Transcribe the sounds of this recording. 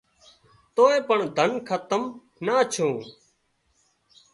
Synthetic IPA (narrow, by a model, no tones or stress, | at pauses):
t̪oːẽːpəɳd̪ʱənkʰət̪əm | naːt͡ʃʰõː